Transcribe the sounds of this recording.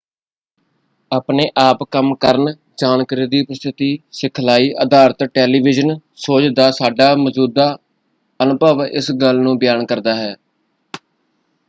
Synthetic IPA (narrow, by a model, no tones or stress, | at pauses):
aːpneːʔaːpkəmkəɾn | d͡ʒaːnkəɾiːd̪iːʊpəst̪ʰɪt̪iːsɪkʰlaːiːʔəd̪aːɾt̪ʈɛːliːʋɪd͡ʒənsoːt͡ʃd̪aːsaːɖaːməd͡ʒuːd̪aː | ənʊpəʋɪ̰sɡəlnũːbɪjaːnkəɾd̪aːɦɛː